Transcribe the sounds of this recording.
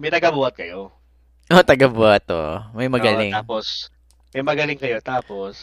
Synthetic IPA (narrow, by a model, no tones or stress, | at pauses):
mɐjt̪ɐɡɐbuːɐt̪̚kɐjo | ʔot̪ɐɡɐbuːhɐt̪̚o̰mɐjmɐɡɐlɪŋaːpos | mɐjmɐɡɐlɪŋkɐjo̞t̪aːpos